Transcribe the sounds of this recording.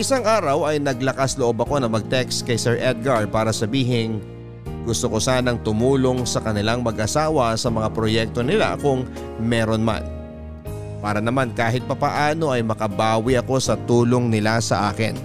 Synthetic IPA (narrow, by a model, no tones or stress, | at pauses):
ʔɪsaŋʔaːɾɐwɐjnɐɡlɐkasloʔo̞bɐko̞nɐmɐɡ̚t̪ɛkskɐjsɛɹʔɛd̪̚ɡɐɹ̚paːɾɐsɐbiːɦɪn | ɡʊst̪oko̞saːnɐŋt̪ʊmuːlo̞ŋsɐkɐnɪlaŋmɐɡʔɐsaːwɐsɐmɐŋapɾo̞jɛk̚t̪onɪla̰kʊŋ | mɛːɾo̞nma̰n | paːɾɐnɐmankaːɦɪt̪̚pɐpɐʔaːno̞ʔɐjmɐkɐbaːwɪʔɐko̞sɐt̪uːlo̞ŋnɪlasɐ̰ʔaːkɪ̰n